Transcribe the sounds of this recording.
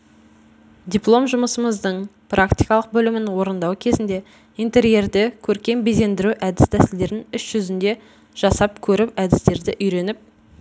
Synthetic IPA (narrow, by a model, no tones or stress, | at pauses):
d̪ʲiplˠo̞mʒʊməsəməzd̪əɴ | prakt̪ijkɑlˠəq̚bɵlɪmɪnwo̞ɾənd̪ɑwkʲʰe̞zɪnd̪e̞ | ijnt̪e̞ɾije̞ɾd̪ɪkʲʰɵɾkʲe̞mbejze̞nd̪ɪɾuʔæd̪ɪst̪ʰæsɪld̪e̞ɾɪnʏsʒ̥ʏzɪnd̪e̞ | ʒ̥ɑsɑp̚kʲʰɵɾɪpæd̪ɪst̪e̞ɾd̪ɪʔʏjɾe̞nɪp̚